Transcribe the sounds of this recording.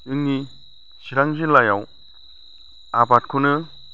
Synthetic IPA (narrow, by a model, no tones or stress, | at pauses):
ɯŋi | siɾaŋzilajaw | abat̚kʰunɯ